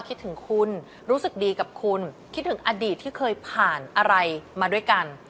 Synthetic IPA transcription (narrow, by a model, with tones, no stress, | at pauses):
kʰi˦˥t̪ʰːɯ˩˦ŋkʰu˧n | ɾuː˦˥sɯ˨˩k̚diː˧ka˨˩p̚kʰu˧nkʰt̪̚ʰːɯ˩˦ŋʔaː˧diː˨˩t̪ʰːiː˥˩kʰɤː˧jpʰaː˨˩nʔa˧ɾa˧jmaː˧du˥˩əjka˧n